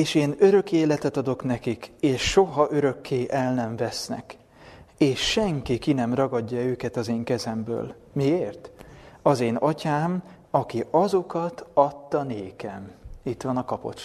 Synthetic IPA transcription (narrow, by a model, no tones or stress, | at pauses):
eːʃeːnøɾø̞keːlɛt̪ɛt̪ɒd̪o̞knɛkikeːʃʃo̞ɦɒʔø̞ɾø̞kʰːeːʔɛlnɛɱvɛsnɛ̰k | eːʃːɛŋkikinɛmrɒɡɒɟːɒøːkɛt̪ɒzeːŋkɛzɛmbø̰ːl | mieːrt̪ɒzeːnɒcaːm | ɒkiʔɒzo̞kɒt̪ɒt̪ːɒneːkɛmit̪ʋɒnɒkɒpo̞̰t͡ʃ